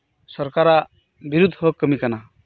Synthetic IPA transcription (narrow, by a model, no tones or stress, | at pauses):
sɔɾkaɾa | biɾud̪ʱɔkːəmikana